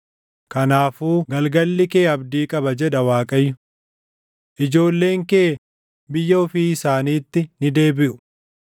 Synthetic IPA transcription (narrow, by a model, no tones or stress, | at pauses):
kɐnaːfuːɡɐlɡɐlːɪke̞ːɐbd̪iːkʼɐbɐd͡ʒɛᶑɐwaːkʼɐjːʊ | ʔɪd͡ʒo̞ːlːe̞ːŋkeː | bɪjːɐɔfiːɪsaːniːt̪ːɪnɪd̪e̞ːbɪʔʊ̥